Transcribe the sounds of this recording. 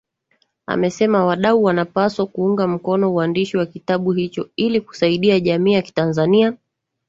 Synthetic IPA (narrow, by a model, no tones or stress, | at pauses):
a̰mɛsɛmawaɗauwanapaswakuuŋɡam̩kɔnɔuandiʃiwakitaɓuhit͡ʃɔiliku̥saiɗiaʄamiːjaki̥tanzania